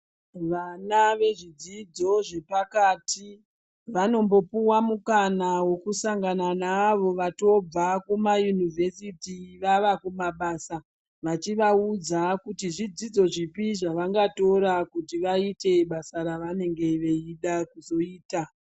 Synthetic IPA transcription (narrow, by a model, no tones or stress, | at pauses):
ʋanaʋe̞ʐid͡zid͡zo̞ʐe̞pakaːtʰi | ʋano̞mbo̞puwamukanawo̞kusaŋɡananaːʋo̞ʋato̞b͡vakumajunivʱe̞sitiʋaʋakumaɓaːsa | ʋat͡ʃiʋaud͡zakutiʐid͡zid͡zo̞ʐipiʐaʋaŋɡato̞ɾakutiʋaite̞ɓasaɾaʋane̞ŋɡe̞ʋe̞iɗakuzo̞iːta